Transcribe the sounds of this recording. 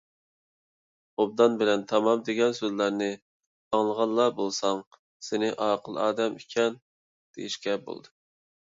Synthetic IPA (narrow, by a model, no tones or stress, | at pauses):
ob̚d̪ɑnbɪlɛnt̪ʰɑmɑmd̪eɡʲɛnsøzlæɾnɪ | ɑŋlˠəʁɑnˠːɑbolˠsɑŋ | senɪʔɑːqʰəlˠɑ̰ːd̪ɛmikʲʰɛn | d̪̥ḛjiʃkʲɛbo̰lˠd̪ɨ